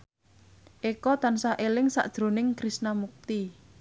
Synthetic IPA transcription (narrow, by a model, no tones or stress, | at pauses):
ʔekɔt̪ansaʔelɪŋsa̰ʔd̥ʒ̥ɾo̤nɪŋkɾisnamuk̚t̪i